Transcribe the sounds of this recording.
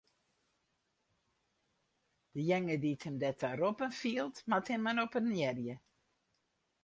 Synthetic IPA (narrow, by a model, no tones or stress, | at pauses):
d̥əjɛŋəditʰəmdɛtʰaɾopənfiəlˠtmathɛmanopənjɛrjə